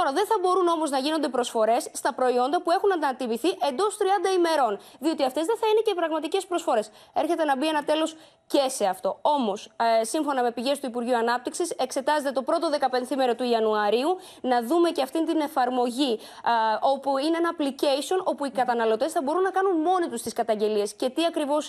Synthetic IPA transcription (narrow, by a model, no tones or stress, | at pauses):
tt̪oɾɐðe̞nθɐbo̞ɾuno̞mo̞znɐʝino̞nd̪e̞pɾo̞sfo̞ɾe̞sːt̪ɐpɾo̞io̞nd̪ɐpue̞xunɐnd̪ɐɐt̪iviθiʔe̞nd̪o̞st̪ɾiɐnd̪ɐime̞ɾo̞nðio̞t̪iɐft̪e̞zðe̞θɐine̞cepɾɐɣmɐt̪ice̞spɾo̞sfo̞ɾe̞s | e̞ɾçe̞t̪e̞nɐbie̞nɐt̪e̞lo̞s | ce̞se̞ɐft̪o̞o̞mo̞ssiɱfo̞nɐme̞piʝe̞st̪uipuɾʝiuɐnɐp̚t̪iksise̞kse̞t̪ɐze̞t̪e̞t̪o̞pɾo̞t̪o̞ðe̞kɐpe̞nθimeɾot̪uiɐnuɐɾiu | nɐðume̞cɐft̪int̪ine̞fɐɾmo̞ʝi | o̞puineenɐːplice̞sio̞no̞puikɐt̪ɐnɐlo̞t̪e̞sθɐbo̞ɾunːɐkɐnunmo̞nit̪ust̪iskɐt̪ɐɲɟe̞liesce̞t̪iɐkɾivo̞s